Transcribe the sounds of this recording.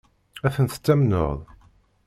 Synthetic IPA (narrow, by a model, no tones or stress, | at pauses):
æθənt̪ə̥t͡sːæmno̰ðˤ